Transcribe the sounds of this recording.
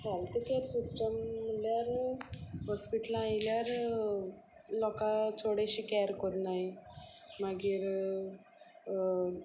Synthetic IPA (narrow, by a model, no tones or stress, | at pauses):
hɛlt̪ikeɾsisʈəmːəljaɾ | hɔspiʈəlajljaɾ | lɔkat͡soɽeɕiːkɛɾkɔɾnaɦi | maɡiːɾ